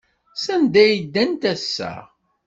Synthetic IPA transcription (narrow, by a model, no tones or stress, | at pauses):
sænd̪æjid̪ːænt̪æsːæ̰